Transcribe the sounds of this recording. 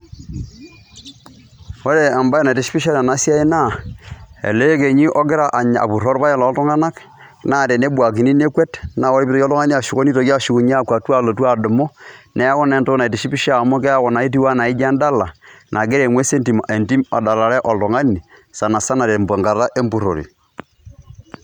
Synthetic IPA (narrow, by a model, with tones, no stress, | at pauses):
wo˦ɾe˦˨a˨mba˦e˦na˨te˨ʃi̥˦pi˦ʃa˦la˨na˦sja˦i˦na˦˨ | ḛ˨le˦ke˨ɲi˦ʔɔ˦ɡɪ˦ɾa˦ʔa˨ɲa̰˨pu˨ɾɔ˦ɾpa˦jɛ˦la˨˦tɔ˦ŋa˦na˦k | na˦˨te˨ne˦ba˨k̬i˨ni˦ne˦kwe˦tna˨wɔ˦ɾi˦pi˦to˦jɔ˦lɔ˦ŋa˦ni˦a˨ʃu˨ko˦ni˦to˨ka˦ʃu˨ku˨ɲː˦˨kwa˨ta˦˨lo˨twa˦˨dʊ˨mo˦nɛ˦a˦kɔ˦nɛ˦˨nto˦na˨te˨ʃi˦pi˦ʃa˦˨mo˦k̬ɛ˦a˦kɔ˨na˨i˦t̬i˦wa˦na˨i˦d͡ʒa˦nda˦la˨nʔa˨ɡe˦ɾe˨ŋwe˦se˦nti˨me˨nti˦ma˨da˨la˨ɾɛ˦ʔɔ˨ltɔ˨ŋa˦ni˨sa˨na˨sa˦na˨ɾe˨mbo˨ŋɡa˨ɾa˦ʔe˦mbu˨ɾo̰˨ɾḭ˨